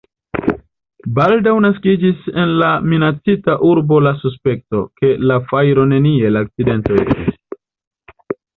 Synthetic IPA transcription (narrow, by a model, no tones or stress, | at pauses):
baldawnaskid͡ʒise̞nlaminat͡sitaʔuɾbo̞lasus̬pe̞k̚to̞ke̞lafajɾo̞ne̞nie̞laːk̚t͡side̞nto̞estis